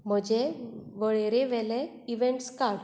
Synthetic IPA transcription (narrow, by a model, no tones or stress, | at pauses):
m̤əd͡ʑeʋəɭeɾeʋɛle | iʋeɳʈskaɽ